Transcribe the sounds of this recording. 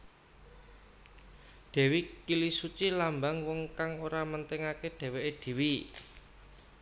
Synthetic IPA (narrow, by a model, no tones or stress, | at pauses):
ɖ̪̥ɛ̤wikilisut͡ʃilambaŋwɔŋkaŋoɾamənt̪eŋakeɖ̪̥ɛ̤weʔed̪̥i̤wi